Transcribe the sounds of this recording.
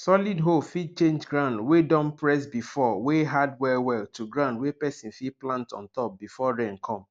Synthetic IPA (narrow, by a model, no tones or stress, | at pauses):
sɔlidɦofid̚t͡ʃẽnd͡ʒɡɹãʊ̃ndwedɔ̃mpɹɛsbifɔweɦadwɛwɛltuɡɹãndwepɛsĩnfiplãntɔ̰̃ntɔp̚bifɔɹẽnkʰɔ̃m